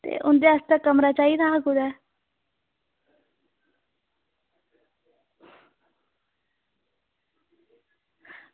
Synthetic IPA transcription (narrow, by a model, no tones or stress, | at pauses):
t̪ḛːʔʊnd̪east̪akəmɾat͡ʃaːinaɦaɡud̪aː